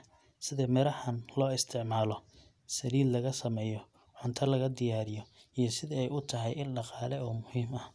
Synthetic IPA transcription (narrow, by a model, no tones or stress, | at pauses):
sɪðɛmɛɾɐħɐnlɔːɪst̪ʰɪʕmaːlɔ | sɐliːd̪lɐɣɐsɐmɛːjɔ | ʕʊnt̪ʰɐlɐɣɐd̪ɪjaːɾɪjɔijɞsɪðɪɛjʊt̪ʰɐɦɛjɪnɖɑqɑːlɛɔːmʊhiːmɐh